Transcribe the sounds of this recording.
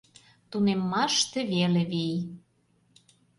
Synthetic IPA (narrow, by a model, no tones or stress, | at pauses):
t̪unemːɑʃt̪ĕβeleβij